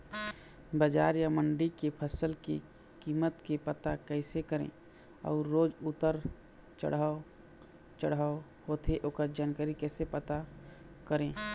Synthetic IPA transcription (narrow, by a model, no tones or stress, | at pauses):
bəd͡ʒaːɾjaməɳɖikepʰəsəlkḛ | kiːmət̪kepət̪akɛɪsekəɾḛ̃ː | ɔ̰ːoːd͡ʒʊt̪əɾ | t͡ʃə̰ɽ̤ao | t͡ʃəɽaːo | hot̪eʔoːkəɾd͡ʒaːnkəɾikɛːsepət̪a | kəɾẽː